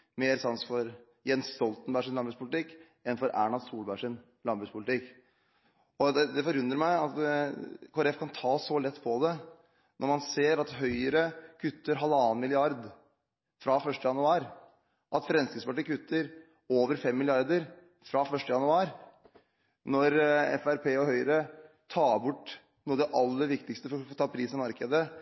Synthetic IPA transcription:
meːɾsɑnsfɔɾ | jɛnsːt̪ɔlt̪n̩bæʂɪnɑnbɾʉspʰʊlɪt̪ɪkː | ɛnfɔɾʔæ̰ːɳɑd̪suːlbæʂɪn | lɑnbɾʉspʰʊlɪt̪ɪkː | ɔd̪ɛd̪ɛfɔɾʉnd̪ɾəɾmæɪɑt̪ | kʰɔɾɛfkʰɑnt̪ʰɑːsɔlɛt̪ːpʰɔd̪ɛ | nʔɔɾmɑnseːɾɑt̪ɦœʏəɾəkʰʉt̪ːəɾɦɑlːɑːnmɪlɪɑɾd̪ | fɾɑfœʂʈəjɑnʉɑːɾ | ʔɑt̪fɾɛnsɪspɑʈːɪkʰʉt̪ːəɾ | oːʋəɾfɛmːɪlɪɑɾd̪əɾ | fɾɑfœʂʈəjɑnʉɑːɾ | nɔɾɛ̰fæɾpʰeːɔɦœʏəɾə | t̪ʰɑːbʊʈː | nuːəd̪ɛʔɑlːəɾʋɪkt̪ɪkst̪əfɔɾɔt̪ʰɑːpʰɾiːsɛmɑɾkəd̪ə

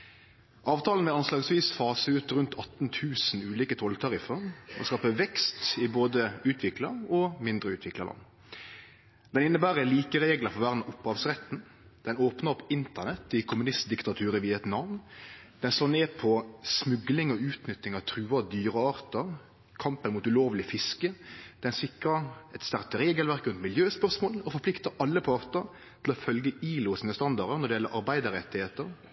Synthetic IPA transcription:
ʔɑːʋt̪ʰɑːlən̩ʋɛɑnslɑːɡsʋiːsfɑːsəʉːt̪ɾʉnt̪ʰɑt̪n̩t̪ʰʉːsnʉːliːkət̪ʰɔlt̪ʰɑʁɪfəɾɔ̰skɑːpəʋɛkst̪ɪboːd̪əʉːt̪ʰʋɪklɑʁɔmɪnd̪ʁəʉːt̪ʋɪklə̰lɑ̰nː | d̪ɛnɪnːəbæːʁəliːkəʁeːɡləfɔʁʋæʁd̪nʊpːhɑːʋsʁɛt̪n | d̪̥ɛnoːpnəɔpɪnt̪ənɛt̪ːɪkʰʊmʉnɪst̪d̪ɪkt̪ɑt̪ʰʉːɾəʋiːɛt̪nɑʋnn | d̪̥ɛnsloːneːpʰɔsmʉɡlɪŋɔʉːt̪nʏt̪ːɪŋɑʋt̪ʰɾʉːɑd̪yːɾəɑːɾt̪əɾ | kʰɑmpənmuːt̪ʉloːʋlɪfɪskəd̪̥ɛnsɪkɾəɛt̪st̪æʁt̪əɾeːɡəlʋæɾkɾʉnt̪mɪljøːspœʁsmoːlɔfɔpʰlɪkt̪əʔɑlːəpʰɑʁt̪əɾ | t̪ʰɪlɔfœlɡəiːlʊsiːnəst̪ɑnd̪ɑɾəɾnɔɖ̪ɛjɛlːəʔɑɾbæɪd̪əɾɛt̪ːɪheːt̪əɾ

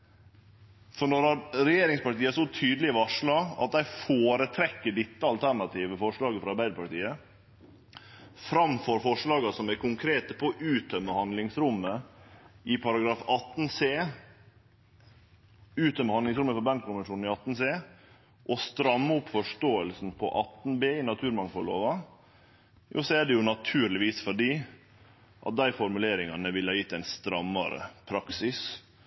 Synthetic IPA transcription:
fɔɳɔɾɾɛjeːɾɪŋspɑʈiːəsɔt̪ʰyːd̪lɪʋɑʂɭɑɑ̰t̪̚d̪æɪfoːɾət̪ʰɾɛkːəɖɪt̪ːəɑlt̪ʰæɳɑt̪ʰiːʋəfɔʂɭɑːɡəfɾɑɑɾbæɪd̪əɾpɑʈiːə | fɾɑmfɔɾfɔʂɭɑːɡɑsɔmækʊŋkʰɾeːt̪əpʰɔʔʉːt̪œmːəhɑnd̪lɪŋsɾʊmːə | ɪpʰɑɾɑɡɾɑːfɑt̪n̩seː | ʉːt̪œmːəhɑnd̪ɪŋsɾʊmːəfɔɾbænkʰʊnʋənʂuːnn̩ɪɑt̪n̩seː | ʔɔst̪ɾɑmːəʊpfɔʂʈoːəlsn̩pʰɔ̰ʔɑt̪ːn̩beːɪnɑt̪ʰʉːɾmɑŋfɔɭo̰ːʋɑ | jṵːsɔæɖɛjʊnɑt̪ʰʉːɾlɪʋiːsfɔɖiː | ʔɑ̰t̪̚d̪æɪfɔɾmʉleːɾɪŋɑnəʋɪlɑɾjɪt̪ːɛɪnst̪ɾɑmːɑɾə̰pʰɾɑksɪs

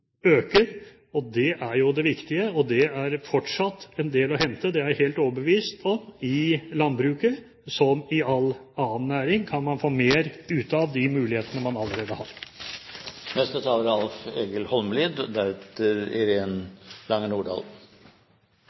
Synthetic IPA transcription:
øːkəɾ | ɔd̪ɛʔæɾjʊd̪ɛʋɪkt̪ɪəɔd̪ɛæɾfɔʈʂɑt̪ːɛnd̪eːlɔɦɛnt̪əd̪ɛæɾheːlt̪ɔʋəbəʋiːst̪ʰɔmɪlɑnd̪̚bɾʉːkə | sɔmɪɑl | ɑːənːæːɾɪŋkʰɑnmɑnfoːmeːɾʉːt̪ɑʋd̪ɪmʉːlɪheːt̪ənəmɑnɑlːəɾeːd̪əhɑːɾ | nɛst̪ət̪ʰɑːləɾɑlfeːɡəlhɔlməliːd̪d̪æɛt̪əɾɪ̰ɾeːnlɑŋːənuːɖɑ̰ːl

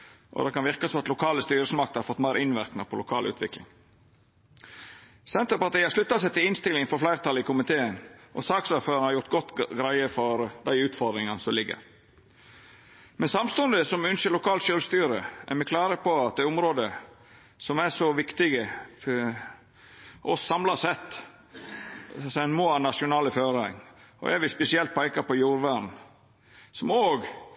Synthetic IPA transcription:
ʔɔ̰d̪ɛkʰɑnʋɪɾkɑsɔmɑt̪lʊkʰɑːləst̪yːɾəsmɑk̚t̪hɑɾfɔt̪ːmæɪɾɪnʋæɾknəpʰɔlʊkʰɑːlʔʉ̰ːt̪ʰʋɪklɪ̰ŋ | sɛnt̪əɾpɑt̪ʰæɪɑʂɭʉt̪ːɑsæɪt̪ɪlɪnst̪ɪlːɪŋfɔɾflæɪɾt̪ʰɑlɪkʰʊmɪt̪ʰeːənʔɔ̰sɑːksɑɾføːɾɑnhɑɾjʊɾt̪ɡɔt̪ːɡɾæɪəfɔɾd̪æɪʉːt̪fɔɾd̪ɾɪŋɑnəsɔmlɪɡːə̰ɾ | mɛnsɑmst̪ʉnd̪ɪsɔmʏnʃəlʊkʰɑːlʃølst̪yːɾəæ̰ɾmɛkʰlɑːɾəpʰɔɑt̪̚d̪æɪʊmɾoːd̪ə | sɔmæʂɔʋɪkt̪ɪɡə | ʔɔsːɑmlɑsɛt̪ː | sɛnmoːɑnɑʂʊnɑːləføːɾəŋɔ̰ʔɛɾʋɪspɛsɪɛlt̪̚pʰæɪkɑpɔjuːɾʋæɾm | sɔmoːɡ

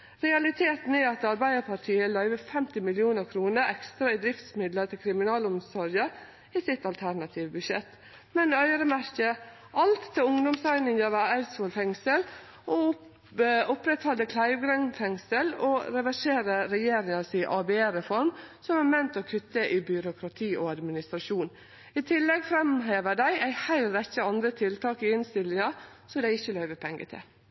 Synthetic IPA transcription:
ɾɛɑlɪt̪ʰeːt̪n̩ɛɑt̪ɑɾbæɪd̪əɾpʰɑʈʰiːəlœʏʋəfɛmt̪ɪmɪlɪuːnəɾkʰɾuːnəɾɛkst̪ɾɑɪd̪ɾɪft̪smɪd̪lət̪ʰɪlkʰɾɪmɪnɑːlʊmsɔɾjə | iːsɪt̪ɑlt̪ʰæɾnɑt̪ʰiːʋəbʉʃɛt̪ | mɛnœʏɾəmæɾkə | ʔɑlt̪ʰːɪʊŋd̪ʊmsæɪnɪŋjɑʋəæʉsɔːlfɛŋsəl | ɔ | ʊpɾɛt̪hɑld̪əkʰlæɪʋɡɾɛŋfɛŋsəlɔɾɛʋæʂeːɾəɾɛjeːɾɪŋɑsiʔɑːbɛeːɾɛfɔɾmsɔmæɾmɛnt̪ɔkʰʉt̪ːəʔɪbʏɾʊkʰɾɑt̪ʰiːʔɔɑd̪mɪnɪst̪ɾɑʂuːn | ɪt̪ʰɪlːɛɡfɾɛmɦeːʋəɖ̪æɪʔæɪhæɪlɾɛçəɑnd̪ɾət̪ʰɪlt̪ʰɑːkɪɪnst̪ɪlːɪŋɑ | sɔd̪æɪɪçːəlœʏʋəpʰɛŋɡə̰t̪ʰɪ̰l

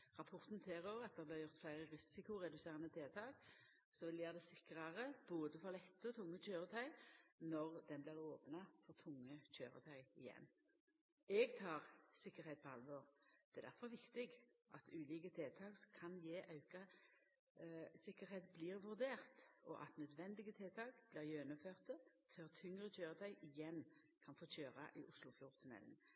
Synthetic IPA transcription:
ʁɑpʰɔʁt̪n̩t̪ʰeːʁoːʋəʁɑt̪̚d̪ɛʁblɪʁjʊʁt̪flæɪʁəʁɪsɪkʊɾɛd̪ʉseːʁɑnət̪ʰeːt̪ʰɑːk | sɔʋɪljeːʁd̪ɛsɪkʁɑʁəboːd̪əfɔʁlɛt̪ːəɔt̪ʰʊŋːəc͡çøːɾət̪ʰœʏnɔʁd̪ɛnblɪʁoːpnɑfɔʁt̪ʰʊŋːəçø̰ːʁə̰t̪ʰœʏɪjɛ̰nː | ɛɡt̪ʰɑːʁsɪkːəʁhɛɪt̪̚pʰɔɑ̰lʋɔʁd̪̥ɛːd̪æʁfɔʁʋɪkt̪ɪɡʔɑt̪ʉːliːkət̪ʰeːt̪ʰɑːkskʰɑnjeːʔɑʉkɑ | sɪkːəɾheːt̪blɪːʁʋʉʁd̪eːʁt̪ɔ̰ʔɑt̪nœd̪ʋɛnd̪ɪɡət̪ʰeːt̪ʰɑːkb̥lɪːʁjøːnəføːʁt̪ə | føːʁt̪ʰʏŋʁəc͡çøːɾət̪ʰœʏʔɪjɛnː | kʰɑnfoːçøːʁɑ̰ʔɪ̰ʔʊslʊfjʊʁt̪ʰənmɛ̰ln̩

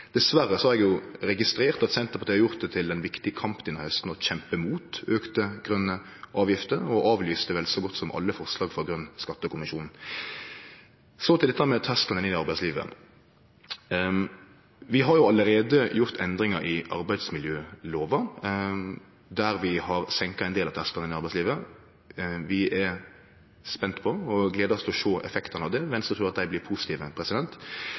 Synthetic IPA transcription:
d̪̥ɛsʋæɾəsɔhɑɾɛɡjʊɾɛɡɪst̪ɾeːʁt̪ɑt̪sɛnt̪əpʰɔt̪ɛɪhɑɾjʊʁt̪̚d̪ɛt̪ʰɪld̪ɛnʋɪkt̪ɪəkʰɑmpəɪnːɔhœst̪n̩ɔçɛmpəmuːt̪øːkt̪əɡ̥ʁœnːə | ʔɑːʋjɪft̪əɾɔʔɑːʋlyːst̪əʋɛlsɔɡɔt̪ːsɔmʔɑ̰lːəfɔʁslɑːɡfɔɡɾœnːskɑt̪ːəkʊmɪʃuːnn̩ | sɔt̪ɪlɛt̪ːæmɛt̪ʰɛst̪ɑnɪnɪd̪ɪɑɾbæɪtsliːʋə̰ | ʋɪɦɑɾjʊɑlːəɾeːd̪əjʊʁt̪ʰɛnd̪ɾɪŋɑɾɪʔɑ̰ɾbæɪd̪smɪljøːloːʋɑ | d̪æɾʋɪhɑɾsɛŋkɑɛɪnd̪eːlɑʋt̪ʰæskɑnɪnɪɑɾbæɪsliːʋə | ʋɪɛ | spɛnt̪pʰɔɔɡleːd̪əɾɔst̪ʰlɔʃoːʔɛ̰fɛkt̪ɑnɑʋd̪ɛmɛnsɔt̪ʰɾʉːʁɑt̪̚d̪æɪblɪɾpʰusɪt̪iːʋəpʰɾɛsɪd̪ɛnt̪

